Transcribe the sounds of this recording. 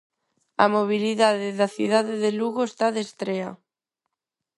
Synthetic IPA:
a̰moβ̞iliðaðeðaθjṵðaðeðeluɣoest̪aðest̪ɾea

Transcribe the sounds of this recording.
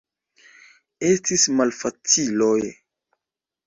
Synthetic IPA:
estismalfat͡siloj

